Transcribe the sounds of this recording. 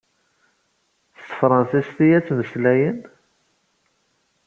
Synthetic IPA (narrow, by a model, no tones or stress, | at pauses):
θt̪fɾˤɑnsist̪ijæt͡sːməslæjən